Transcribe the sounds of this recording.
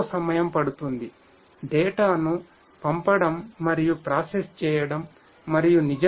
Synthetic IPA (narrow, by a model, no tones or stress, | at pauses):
sɐmɐjɐmpɐɽut̪und̪i | ɖɛːʈaːnu | pɐmpɐɽɐmːɐɾijupɾaːsest͡ʃɛːjɐɽɐmː | ɐɾijunid͡ʒɐ